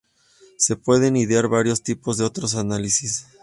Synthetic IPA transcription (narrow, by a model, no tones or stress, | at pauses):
se̞pwe̞ðe̞niðjaɾβaɾjo̞st̪ipo̞zðe̞o̞t̪ɾo̞s̬analisis